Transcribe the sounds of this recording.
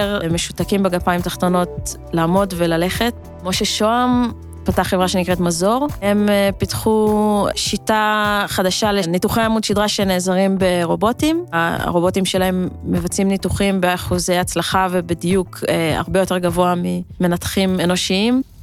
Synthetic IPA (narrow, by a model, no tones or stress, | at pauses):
eʁmeʃu̥takimbeɡapaimt̪aχt̪o̞no̞t̚ | laːmo̞dve̞lale̞χe̞t̚ | moʃeʃoam | pataχevʁaʃenikʁetmazo̞ʁhe̞mpitχuʃitaχadaʃalenituχejamudʃid̪ʁaʃene̞ːzaʁimbe̞ʁo̞bo̞tim̰ʁo̞bo̞timʃe̞lae̞mːevat͡simnituχimbeaχuze̞jat͡slaχavebidijukea̰ʁbe̞jo̞te̞ʁɡavo̞amime̞nat̪χime̞no̞ʃiim